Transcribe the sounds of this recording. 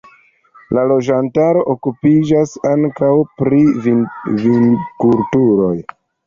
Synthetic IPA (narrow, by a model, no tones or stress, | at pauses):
lalo̞d͡ʒantaɾo̞ʔokupid͡ʒasaŋkawpɾivivinkultuɾo̞j